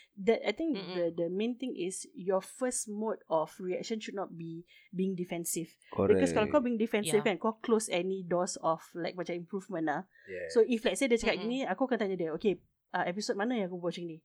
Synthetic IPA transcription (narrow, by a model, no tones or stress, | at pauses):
dɛt̚ajt̪ĩŋkdədəmẽnt̪ɪ̃ŋʔisjɔfəsmotɔfɹiɛk̚ʃə̃nʃud̚nɔt̚bi | biĩŋdifɛ̃nsif | biɛkɔskɔlakɔbiĩŋdifɛ̃nsifjukɛ̃nkɔkʰlosɛnidɔsɔflaɪk̚pat͡ʃaĩmpɹuvmə̃na | soiflaɪk̚sedət͡ʃəkat̚ɡiniakokãnt̪ãɲudɛoke | ʔaʔɛpisot̚manəɛ̃akobwɔt͡ʃĩŋni